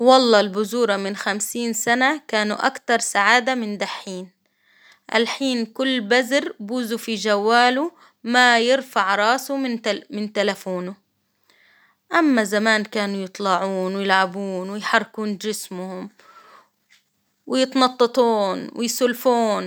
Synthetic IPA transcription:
wɑlˤːɑːlbʊzuːɾˤɑmɪnxamsiːnsanakaːnuʔa̰kt̪ɑɾˤsaʕaːd̪amɪnd̪aħːiːn | ʔa̰lħiːnkʊlːbazɾbuːzufid͡ʒawːaːlu | majɪɾfaʕɾˤɑːsumɪnt̪alafuːnʊ | ʔamːazamaːnkaːnujɨt̪ˤlɑʕuːnwɪjɪlʕabuːnwɪjħɑrˤːkuːnd͡ʒɪsmʊhʊm | wɪjɪt̪nɑt̪ˤːɨt̪ˤuːnwɪjsʊlfuːn

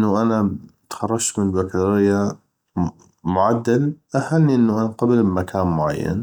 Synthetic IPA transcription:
nːaʔanat̪xɑrˤːɑʃt̪mɪnlbakt̪aɾɪjːa | mʊʕad̪ːalʔahanːiʔɪnːuʔanaqɑblbmakʰaːnmʊʕa̰jːa̰n

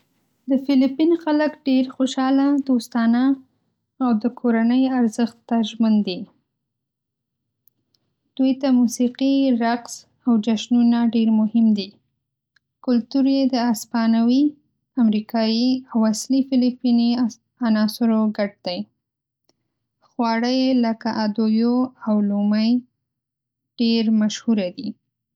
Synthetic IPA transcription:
d̪əfɪlipinxaləkɖeɾxoʃɑlad̪ost̪ɑnaː | wd̪əkʰoɾanəjaɾzəxt̪ːaʒmand̪i | d̪̥ujt̪amusiqiɾaqs | awd͡ʒaʃnunaɖeɾmʊhɪmd̪i | kʊlt̪uɾjed̪əaspɑnawi | amɾikʰɑjiawaslifɪlipini | anɑsʊɾoɡaʈ̚d̪̥aj | xwɑɽəjləkaʔad̪ojoawloməj | ɖ̥eɾmaʃhuɾad̪i

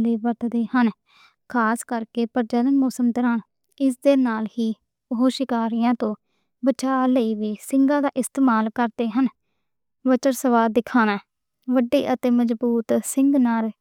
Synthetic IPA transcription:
leːʋəɾt̪d̪eːhən | kʰaːskəɾkeːpəɾd͡ʒələnmɔːsəmt̪əɾãːn | ɪsd̪eːnaːlhiː | ɦoːʃɪkaːɾɪjãːt̪õː | bət͡ʃaːləiːʋiːsɪŋɡãːd̪aːʔɪst̪eːmaːlkəɾd̪eːɦən | ʋət͡ʃəɾsəʋaːd̪ɪkʰːaːnãː | ʋəɖːḛːʔət̪eːməzbuːt̪sɪŋɡnaːl

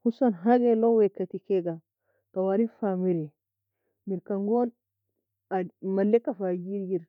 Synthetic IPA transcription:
husanɦaɡɛlɔwɛkːatikɛɡa | kawaɾinfamiɾɛ | miɾkaŋɡɔn | amalːɛkːafad͡ʒiɾjiɾ

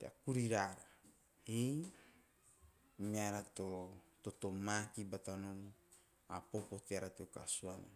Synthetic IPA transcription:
t̪ea̰kuɾiɾaɾa | i | miaɾat̪ot̪ot̪omakibat̪anono | apopot̪eaɾat̪eka̰suana̰

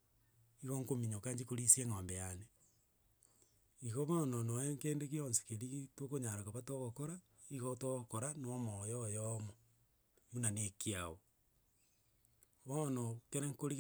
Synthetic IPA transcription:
iɣoŋkomiɲokaɲd͡ʒikoɾisieŋombejane | iɣoβɔnonoeŋkeːndekionsi̥keɾiɣitwokoɲaɾakaβatoɣokoɾa | iɣotoɣokoɾanɔmɔjɔjɔmo | munanekiao | βɔnɔkeɾeŋkoɾi

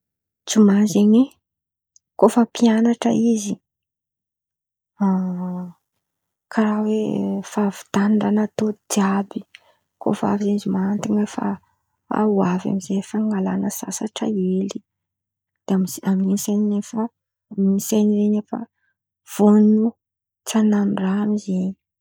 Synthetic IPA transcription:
t͡sumazeɲe | kofəpʰianaʈ͡ʂə̰izi | a | kʰaɾawefavi̥t̪aniɳɖ͡ʐanat̪od̪iabi | ko̰fa̰vizeizimant̪iɲefa̰ | a̰uavja̰mizefaŋɡalanəsa̰saʈ͡ʂa̰eli | d̪̥eamizamninseninefə | minseniɾeɲefə̰ | v̥onu | t͡sananiramizeɲi

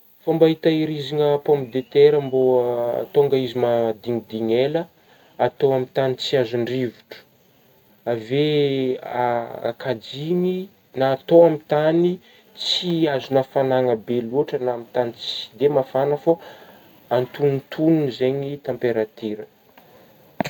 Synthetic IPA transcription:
fambaɦit̪aiɾiziŋəpompid̪et̪eɾambo̰t̪oŋɡaizimad̪iŋid̪iɲelə | at̪oamit̪anit͡siazuɳɖ͡ʐivuʈ͡ʂə̥ | ave | aa̰kʰad͡ziɲi | naːt̪oamit̪ani | t͡siazunafanaŋəbeluaʈ͡ʂənaamit̪anit͡si̥i̥d̪emafanəfa | ant̪ununt̪ʰununizeɲit̪ampeɾat̪iɾə

